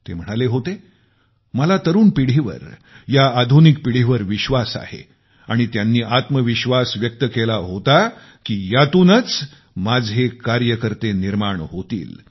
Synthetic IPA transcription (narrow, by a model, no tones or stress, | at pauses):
t̪ḛm̤əɽ̃aleɦot̪e | məlat̪əɾuːnpiɽ̤eʋə̰ɾ | jaːd̪ʱunik̚piɽ̤iʋəɾʋiɕʋasa̰hḛ | aɽ̃it̪janːiːʔat̪məʋiɕʋasʋjək̚t̪əkelaɦot̪a | kiːjat̪uːnət͡s | mad͡zʱɦekaɾjəkəɾt̪eniɾmaɳɦot̪ḭːl